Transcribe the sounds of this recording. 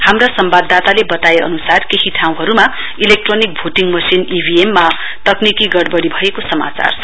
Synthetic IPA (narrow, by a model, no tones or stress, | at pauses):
hamrasʌmbad̪ʱːat̪alebʌt̪aeʌ̰nusarkehiʈʰaũɦʌɾuma | ilek̚ʈronik̚bʱoʈiŋmʌsinibʱiemːa | t̪ʌknikiɡʌɽbʌɽibʱʌekosʌma̰t͡sa̰r